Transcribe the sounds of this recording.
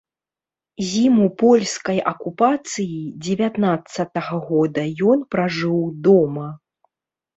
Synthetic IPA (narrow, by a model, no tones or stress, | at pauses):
zʲimupɔlʲskɐjʔɐkupat̪sɨjid͡zʲɛvʲat̪nat̪sːɐt̪ɐɣɐɣɔd̪ɐjɔnpɾaʐɨwd̪ɔmɐ